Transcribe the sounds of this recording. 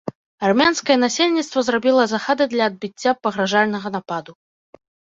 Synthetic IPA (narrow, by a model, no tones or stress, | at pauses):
armʲanskɐjɛnasʲelʲnʲit̪st̪vɐzrabʲilˠɐzaxad̪ɨd̪lʲɐːd̪̚bʲit͡sʲːapɐɣɾaʐalʲnɐɣɐnapad̪u